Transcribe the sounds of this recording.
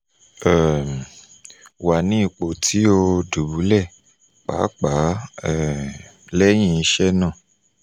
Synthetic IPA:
ɛ˨ | wa˨nĩ˨˦i˦˨k͡po˨tʰi˨˦o˧du˨bu˨˦lɛ˦˨ | k͡pa̰˨˦k͡pa˨˦ɛ˦˨ | lɛ˦j̃ĩ˦˧˨i˧ʃɛ˦nãː˦˨

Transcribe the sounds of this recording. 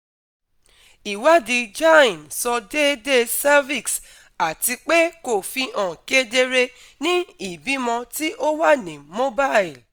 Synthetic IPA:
i˨wa˦di˧d͡ʒa˦ĩ˨nsɔ˧de˦de˦sa˦vi˦˨ks | a˨ti˧k͡pe˦ko˨fi˧ʔɔ̃˨ke˦de˧ɾe˧ | nĩ˦i˦˨bi˨˦mɔ̃˧ti˦ʔo˦wa˦nĩ˨mo˦ba˦˨i˨l

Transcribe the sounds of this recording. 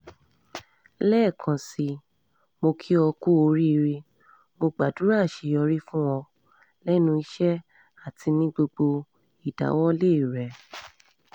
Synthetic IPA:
lɛː˦˨kʰã˨si˧ | mo˧kʰi˦ɔ˧ku˦o˧ɾi˦i˧ɾi˧ | mo˧ɡ͡ba˨du˨˦ɾa˦˨ʃe˨˧ɔ˧ɾi˦fũ˦wɔ˧ | lɛ˦nũ˧i˦ʃɛ˦ | a˦˨tʰi˧nĩ˦ɡ͡bo˧ɡ͡bo˧ | i˨da̰˨˦wɔ˦le˦˨i˨ɾɛ˨

